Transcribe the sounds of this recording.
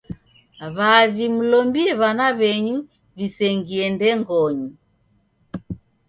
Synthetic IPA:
βaβimulɔmbiɛβanaβɛɲu | βisɛŋɡiɛndɛŋɡɔɲu

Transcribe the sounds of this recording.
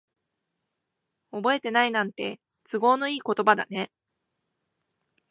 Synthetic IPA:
o̞bo̞e̞t̪e̞nainãnt̪e̞ | t͡sɨɡo̞ːno̞iːko̞t̪o̞bad̪a̰ne̞

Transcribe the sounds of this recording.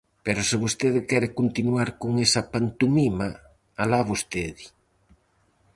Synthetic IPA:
peɾosɪβost̪eðɪkɛɾɪkont̪inwaɾkoŋesɐpant̪umima | alaβost̪eði

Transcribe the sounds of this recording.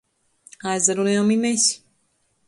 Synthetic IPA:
azaɾuneomimeɕi̥

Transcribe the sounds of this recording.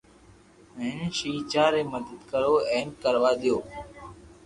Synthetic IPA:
ɛ̃ːnʃiːt͡ʃaːɾeːməd̪əd̪kəɾoːeːmkəɾʋaːd̪ɪjoː

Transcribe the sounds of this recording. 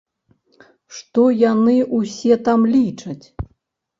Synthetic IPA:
ʂt̪ɔjanɨʔusʲɛt̪amlʲit͡ʂɐt͡sʲ

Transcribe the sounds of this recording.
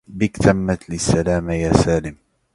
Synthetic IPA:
bɪkt̪ʰamːat̪lɪsːalaːmajaːsaːlɪm

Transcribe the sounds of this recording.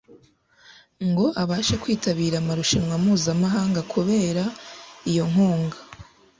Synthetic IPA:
ŋɡo̞ʔaβaːʃakwiːtaβiːɾamaɾuʃinwamuːzamaɦaːŋɡakʰuβe̞ːɾaijo̞ŋ̥uːŋɡa

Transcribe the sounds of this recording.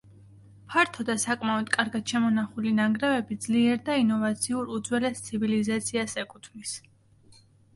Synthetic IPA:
pʰaɾt̪ʰɔd̪asakʼmaɔd̪kʼaɾɡad̪̥ʃamɔnaχulinaɡɾɛvɛbid̪zliɛɾd̪ainɔvat̪sʰiuɾud̪zwɛlɛst̪sʰivilizat̪sʰiasɛkʼut̪ʰmis

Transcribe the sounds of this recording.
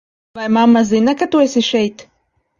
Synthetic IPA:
vajmamːazinakat̪uɛsʲiʃɛjt̪

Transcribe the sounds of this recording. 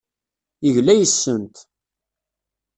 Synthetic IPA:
əʝlæjəsːənt̪

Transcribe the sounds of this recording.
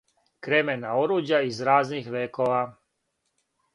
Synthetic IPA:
kɾemenaoɾuːd͡ʑjaizɾaːznixʋeːkoʋa

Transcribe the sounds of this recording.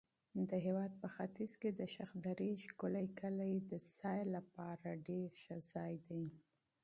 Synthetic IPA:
d̪əɦewɑd̪̚pəxat̪izked̪əʃaxd̪aɾiʃkʊləjkəlajd̪əsɑjlapɑɾaɖeɾʃazɑjd̪aj

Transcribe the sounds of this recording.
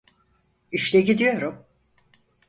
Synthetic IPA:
iʃlɛɟid̪ijo̞ɾum

